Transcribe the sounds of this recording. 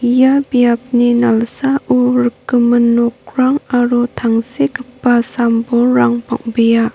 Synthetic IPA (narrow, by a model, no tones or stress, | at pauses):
jabijap̚ninalsaʔuɾəkːəmənɔk̚ɾaŋaɾutʰaŋsekəpːasamboɾaŋpa̰ŋbija